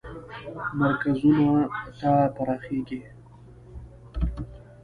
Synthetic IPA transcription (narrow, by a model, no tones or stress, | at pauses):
maɾkazunat̪at̪aɾɑxeɡi